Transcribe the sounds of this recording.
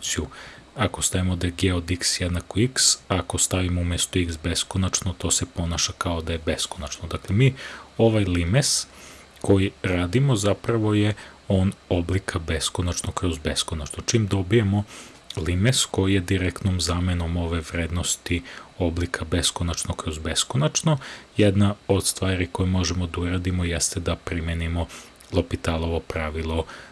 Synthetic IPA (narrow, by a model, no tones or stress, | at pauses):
siu | akost̪aʋimod̪eɡeod̪iksjɛd̪nakoiksakost̪aʋimoumjest̪uiksbe̞skonat͡ʃnot̪o̞ːsepo̞naʃakao̞d̪ajebeskonat͡ʃnod̪aklemiːo̞ʋajlimes | ko̞jiɾaːd̪imo̞zapɾaʋo̞jeo̞no̞blikʰabe̞skonat͡ʃnokɾozbeskonat͡ʃnot͡ʃimd̪o̞bijemo̞ | limesko̞jijed̪iɾekt̪nomzaːmeno̞mo̞ʋe̞ʋɾeːd̪nost̪io̞blikʰabe̞skonat͡ʃnokɾozbe̞skonat͡ʃno̞jed̪naod̪st̪ʋaːɾiko̞jumo̞ʒemod̪auɾad̪imo̞jest̪ed̪apɾimjenimo̞ | lˠopit̪alˠoʋo̞pɾaʋilˠo